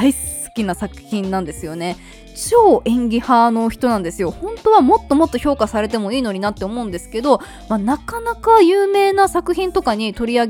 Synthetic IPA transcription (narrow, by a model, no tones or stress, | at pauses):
aisɨ̥kʲinasakɯ̟̥çĩnːãnd̪e̞sɨjo̞ne̞ | t͡ɕo̞ːʔẽ̞ŋɡʲihano̞çi̥t̪o̞nãnd̪e̞sɨjo̞hõ̞nt̪o̞βamo̞t̪ːo̞mo̞t̪ːo̞çʲo̞ːkasaɾe̞t̪e̞mo̞iːno̞ɲ̟inat̪ːe̞omo̞ɯ̃nd̪e̞sɨ̥ke̞d̪o̞ | manakanakajɯːme̞ːnasakɯ̟çĩnt̪o̞kaɲ̟it̪o̞ɾʲiaɡ